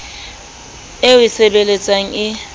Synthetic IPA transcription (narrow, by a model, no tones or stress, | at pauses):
ɪwisebelet͡sʼaŋ̩ɪ